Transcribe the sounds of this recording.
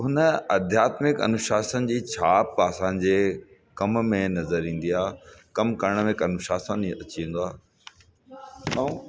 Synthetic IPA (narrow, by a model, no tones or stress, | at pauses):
ɦʊnəɐd̪ʱjaːt̪mɪkɐ̰nʊʃaːsənɪ̆d͡ʑiːt͡ɕʰaːpəsãːɲ̆d͡ʑeː | kɐmmẽnɐzəɾĩːn̆d̪iaːkɐmkɐɾəɽ̃mẽkɐnʊʃaːsənɐt͡ɕiĩːnd̪oaː | naũ